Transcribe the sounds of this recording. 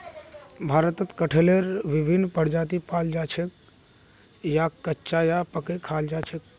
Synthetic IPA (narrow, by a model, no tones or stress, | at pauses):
bʱaɾət̪ət̪kəʈʰeleɾʋibʱinːpəɾd͡ʒat̪̬ipald͡ʒat͡ʃʰek̚ | jakːətːt͡ʃajapəkekʰald͡ʒat͡ʃʰek̚